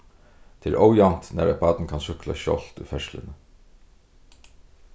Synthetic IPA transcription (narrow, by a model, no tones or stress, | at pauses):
t̪ʰeːɛ̰ɾʔɔwjan̥t̪næ̰ɾɛpaːt̪nkʰansʏkla̰ʃɔ̰l̥t̪ṵjfɛʂlɪ̰nə